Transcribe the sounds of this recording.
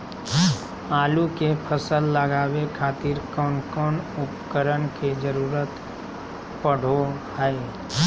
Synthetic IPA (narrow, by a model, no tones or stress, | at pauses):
aːlukepʰəsəlːəɡaːwekʰaːt̪ɪɾkɔːnkɔːnʊpkəɾənked͡ʒəɾuːɾət̪ | pəɽ̤ohɛ